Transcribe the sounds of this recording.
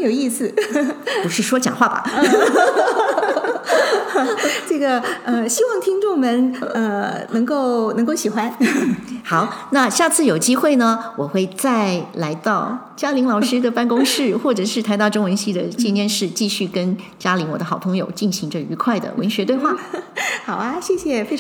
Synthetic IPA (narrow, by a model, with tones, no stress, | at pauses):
jo˨˩i˥˧sɹ̩˧˩ | u˧˥ʂɻ̩˥˩ʂwɔ˥t͡ɕjɑ̰˨˩ŋxwa˥˩bɐ̰˩ | ʈ͡ʂɤ˥˩ɡə˩ə˥˧ɕi˥wɑ˥˩ŋt̪ʰi˥ŋʈ͡ʂʊ˥˩ŋmə˧˦nə˧nɤ˧˥ŋko˥˩˧ʊnɤ˧˥ŋko˥˩ʊɕi˨˩xwa˥n | xɑ˨˩˦ʊna˥˧ɕja˥˧t͡sʰɹ̩˥˩jo˨˩ʊt͡ɕi˥xwe˥˩ɪnə˩wɔ˨˩xwe˥˧ɪt͡sa˥˩ɪla˧˥ɪt̪ɑ˥˩ʊ | t͡ɕja˥li˧˥ŋlɑ˨˩ʊʂɻ̩˥d̪ə˨pa˥˩nkʊ˥ŋʂɻ̩˥˧xwɔ˥˩ʈ͡ʂɤ˨˩ʂɻ̩˥˩t̪ʰa˧˥ɪt̪ɑ˥˧ʈ͡ʂo˥ŋwə˧˥nɕi˥˩d̪ə˨t͡ɕi˥˧njɛ˥˧nʂɻ̩˥˧t͡ɕi˥˧ɕy˥˩kə˥n | t͡ɕja˥li˧˥nwɔ̰˨˩d̪ə˦xɑ˨˩ʊt̪ʰʊ˥ŋjo˨˩ʊt͡ɕi˥˩nɕi˧˥ŋʈ͡ʂə˥˩y˧˥kʰwa˥˩ɪd̪ə̰˩wʔə̰˧˥nɕɥɛ˧˥t̪we˥˧ɪxwa˥˩xɑ˨˩ʊa˧ɕjɛ˥˧ɕjɛ˨˩fe˥